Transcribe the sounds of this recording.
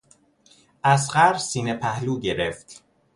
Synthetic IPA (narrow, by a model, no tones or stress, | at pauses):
ʔæsɢæɾsiːnepʰæhluːɟe̞ɾeft̪